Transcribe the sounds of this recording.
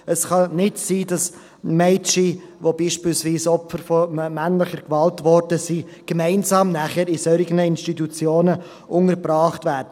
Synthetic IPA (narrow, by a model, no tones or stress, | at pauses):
əsχɑnɪtsiːdɑs | mɛɪt͡ʃi | ʋobiːʃpiːlsviːsɔpfəɾfɔmænlɪχəɾkvɑltvɔɾdəsiː | ɡ̥emæɪnzɑːmnæχəɾɪsœɾɪɡənəɪnstitut͡sjoːnə | ʔʊŋəɾbɾɑːχtvæːɾdə